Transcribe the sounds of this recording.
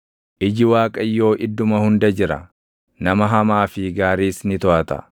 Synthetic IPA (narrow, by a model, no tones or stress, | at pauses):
ʔɪd͡ʒɪwaːkʼɐjːo̞ːʔɪd̪ːʊmɐhʊnd̪ɐd͡ʒɪɾɐ̰ | nɐmɐɦɐmaːfɪɡaːɾiːsnɪt̪ɔʔɐt̪ɐ̰